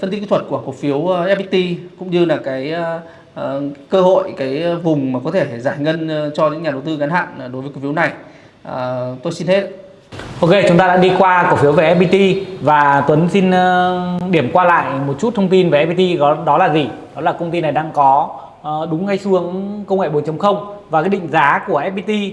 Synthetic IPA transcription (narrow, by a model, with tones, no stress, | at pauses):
fə˧nt̪i˦˥kːt̪ʰə˨˩t̚ku˧˩əko˧˩fi˨˦əwʔɛ˧˦˥p̚ɓi˧t̪i˧kʊ̰˧˥ŋ͡mɲɨ˧laː˨˩kaː˨˦j | kəː˧ɦo̰˧˨jkaː˨˦jvʊ˨˩ŋ͡mmaː˨˩kɔ˨˦t̪ʰe˧˩zaː˧˩jŋə˧n˨˩t͡ɕɔ˧ɲɨ̰˧˥ŋɲaː˨˩ɗə˨˩wt̪ɨ˧ɣaː˨˦nha̰ː˧˨n˨˩ɗo˨˦və˨˦kːfna˨˩j | ʔə˨˩t̪o˧jsi˧nhe˦˥t̚ | ʔo˧ke˧t͡ɕʊ˨˦ŋ͡mt̪aː˧ɗa̰ː˧˥ɗi˧kwaː˧ko˧˩fi˨˦wve˨˩ʔɛ˦˥p̚ɓi˧t̪i˧vaː˨˩t̪wə˨˦nsi˧n˧ɗi˧˩əmkwaː˧la̰ː˧˨jmo˨˩t̚t͡ɕu˦˥t̚t̪ʰə˧ŋ͡mt̪i˧nve˨˩ʔɛ˧p̚i˧t̪i˧ɔ˨˦ɗɔ˨˦laː˨˩zi˨˩ɗɔ˨˦laː˨˩kə˧wŋ͡mt̪i˧nːa˨˩jɗaː˧ŋkɔ˨˦ | ɗʊ˨˦ŋ͡mːa˧jsɨ˨˦əŋkə˧wŋḛ˧˨ɓo˨˦nt͡ɕə˨˦wŋ͡mxə˧wŋ͡mvaː˨˩kaː˨˦jɗḭ˧˨ŋ̟zaː˨˦ku˧˩əʔɛ˦˥p̚ɓi˧t̪i˧